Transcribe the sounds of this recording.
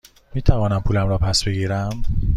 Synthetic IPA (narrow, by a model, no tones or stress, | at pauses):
miːt̪ʰævɒːnæmpʰuːlæmɾɒːpʰæsbe̞ɡiːɾæm